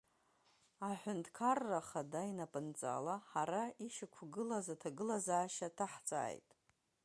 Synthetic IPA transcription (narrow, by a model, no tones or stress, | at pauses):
aħʷᶣʊntʰʼkʰarːaχadainapʼɨnt͡sʼa̰laħaɾaiʃakʷʰɡɨlazatʰaɡɨlazaːʃatʰaħt͡sʼa̰ːjtʼ